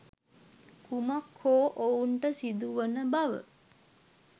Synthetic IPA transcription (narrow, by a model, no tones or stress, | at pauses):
kumakʰhoːʔouɳʈəsid̪uʋənəbaʋə̰